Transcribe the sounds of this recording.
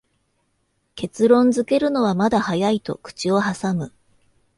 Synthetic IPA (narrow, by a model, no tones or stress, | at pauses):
ke̞t͡sɨɾõ̞nd͡zɨke̞ɾɯ̟no̞β̞amad̪ahajait̪o̞̰kɯ̟̥t͡ɕio̞ɦasamɯ̟